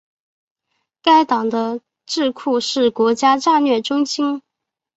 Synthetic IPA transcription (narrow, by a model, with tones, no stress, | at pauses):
ka˥ɪt̪ɑ˨˩ŋd̪ə˦ | ʈ͡ʂɻ̩˥˧kʰu˥˧ʂɻ̩˥˩kwɔ˧˥t͡ɕja˥ʈ͡ʂa˥˧nɥɛ˥˩ʈ͡ʂʊ˥ŋɕi˥n